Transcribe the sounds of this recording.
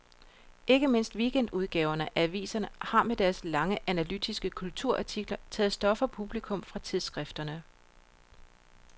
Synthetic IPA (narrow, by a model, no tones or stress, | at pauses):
ʔe̝ɡ̥əme̝n̰sd̥ʋiːɡ̥en̰d̥uðˠɡ̥ɛ̰ːʊɐnəʔææʋḭːsɐnəhɑ̈med̥æɐslɑ̈ŋəʔænælyd̥ʰisɡ̥əkʰult͡sʰuɐ̰ʔɑ̈t͡sʰiɡ̥lɐt͡sʰɛ̰ːð̩ˠsd̥ɒ̽fɐpʰub̥likʰɔ̽mfʁɑ̈t͡sʰiðˠsɡ̥ʁɛfd̥ɐnə